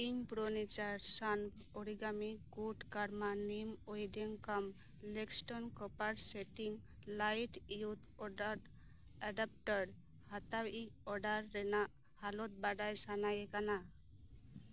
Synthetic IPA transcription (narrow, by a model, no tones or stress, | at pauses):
iŋpɾonit͡ʃaɾsanb | ɔɽiɡamikuʈkaɾmanimɔjdeŋkam | leksʈɔnkɔpaɾseʈiŋ | lajʈiut̪ʰ | ɔɖaɾ | aɖap̚ʈɔɾ | hat̪awiɔɖaɾːɛna | halɔt̪̚baɖajsanajɛkana